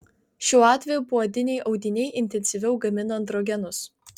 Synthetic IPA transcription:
ʃʲuːɑːt̪ʲʋʲɛjuːˑpuːɐd̪ʲɪnʲɛɪʔɒʊd̪ʲɪnʲɛɪʔɪnʲt̪ʲɛnʲsʲɪʋʲɛʊɡɐmʲɪnoːnd̪ɾoːɡʲɛnʊs

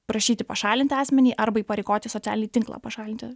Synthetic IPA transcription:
pɾɐʃʲiːt̪ʲɪpɐʃɑːlʲɪnt̪ʲɪɑːsʲmʲɛnʲiːʔɐɾbɐiːpɐɾʲɛɪkoːt̪ʲɪsoːtt͡s̪ʲæːlʲɪnʲiːt̪ʲɪŋklˠɑ̰ːpɐʃɑːlʲɪnʲt̪ʲɪ

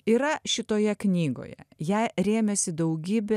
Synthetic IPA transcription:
iːɾɐʃʲɪt̪oːjɛknʲiːɡo̰ːjɛ̰jɛɪɾʲeːmʲɛsʲɪd̪ɐʊɡʲiːbʲɛ

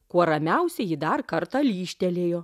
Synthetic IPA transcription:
kuɔɾɐmʲɛʊsʲɛjɪd̪ɐrkɐɾt̪ɑlʲiːʃʲt̪ʲɛlʲeːjoː

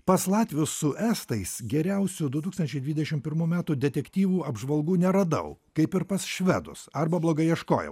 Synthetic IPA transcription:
pɐslˠɑːt̪ʲʋʲʊsːʊʔæst̪ɐɪsɡʲɛɾʲæʊsʲud̪ʊt̪uːkst̪ɐnʲt͡ʃʲɛɪd̪ʋʲid̪ʲɛʃʲɪmpʲɪɾmuːmʲæːt̪uːd̪ʲɛt̪ʲɛkt̪ʲiːʋuːɐbʒʋɐlˠɡuːnʲɛɾɐd̪ɐ̰ʊkɐɪpɪɾpɐsʃʲʋʲæd̪ʊ̰sɐɾbɐblˠoːɡɐɪɛʃko̰ːjɛ̰ʊ

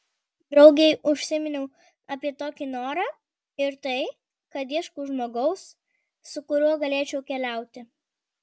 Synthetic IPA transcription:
d̪ɾɒʊɡʲɛɪʔʊʃʲsʲɪmʲɪnʲɛʊ | ɐpʲiɛt̪oːkʲɪnoːɾɑː | ɪɾt̪ɐɪ | kɐt̪iɛʃkuːʒmoːɡɐʊsː | ʊkʊɾʲuɔɡɐlʲeːt͡ʃʲɛʊkʲɛlʲæˑʊt̪ʲɪ

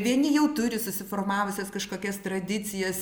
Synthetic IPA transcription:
ʋʲiɛnʲɪjɛʊt̪ʊɾʲɪsʊsʲɪformɑːʋʊsʲɛskɐʃkoːkʲɛst̪ɾɐd̪ʲɪt͡s̪ʲɪjɛs

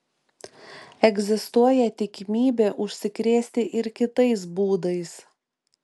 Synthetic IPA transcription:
ɛɡʲzʲɪst̪uɔjɛt̪ʲɪkʲɪmʲiːbʲeːʔʊʃʲsʲɪkɾʲeːsʲt̪ʲɪʔɪɾkʲɪt̪ɐɪs̬buːd̪ɐɪs

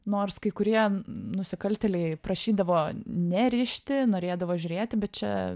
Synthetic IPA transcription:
noːrskɐɪkʊɾʲiɛnʊsʲɪkɐlʲt̪ʲɛlʲɛɪpɾɐʃʲiːd̪ɐʋoːnʲɛɾʲɪʃʲt̪ʲɪnoːɾʲeːd̪ɐʋoːʒʲʊɾʲeːt̪ʲɪbʲɛt̪̚t͡ʃʲɛ̰

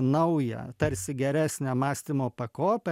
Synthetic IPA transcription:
nɐʊjɛ̰t̪ɐɾʲsʲɪɡʲɛɾʲæːsʲnʲæmɑːsʲt̪ʲimoːpɐkoːpʲɛ

